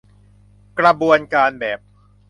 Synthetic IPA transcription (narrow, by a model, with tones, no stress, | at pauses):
kɾa˧bu˧ənkaː˧nbɛː˨˩p̚